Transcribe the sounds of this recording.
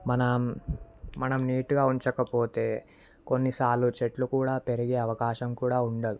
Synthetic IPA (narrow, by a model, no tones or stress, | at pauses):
mɐnɐmː | ɐnɐmniːʈuɡaːuɲt͡ʃɐkɐpoːt̪e̞ː | ko̞nːisaːlːut͡ʃeʈlukuːɽaːpe̞ɾiɡe̞ːɐʋɐkaːʃɐmkuːɽaːuɳɖɐd̪ui